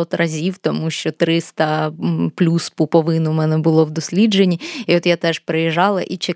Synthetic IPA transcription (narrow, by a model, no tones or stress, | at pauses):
ɔt̪rɐzʲiwt̪ɔmuʃt͡ʃɔt̪ɾɪst̪ɐplʲuspupɔʋɪnʊmɛnɛbʊlˠɔwd̪ɔsʲlʲid͡ʒenʲːiiot̪jat̪ɛʃpɾejɛʒɑlˠɐʔit͡ʃe